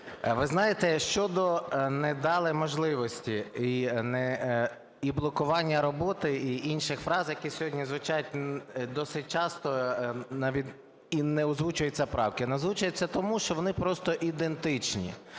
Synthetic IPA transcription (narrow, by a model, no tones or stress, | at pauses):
ʋɪznɑjet̪ɛʃt͡ʃɔd̪ɔnɛd̪ɑlˠɪmɔʒlˠɪʋɔsʲtʲiinɛ | iblˠɔkʊʋɑnʲːɐɾɔbɔt̪ɪiinʃɪxfɾɑzjɐkisʲɔɦɔdʲnʲizʋʊt͡ʃɑjʊtʲd̪ɔsɪt̚ʲt͡ʃɑst̪ɔnɑʋʲi | inɛɔzʋut͡ʃʊjɛt͡sʲːɐpɾɑwkɪnɐzʋut͡ʃɐjɪt͡sʲːɐt̪ɔmuʃt͡ʃɔʋɔnɪpɾɔst̪ɔʔid̪e̞nt̪ɪt͡ʃnʲḭ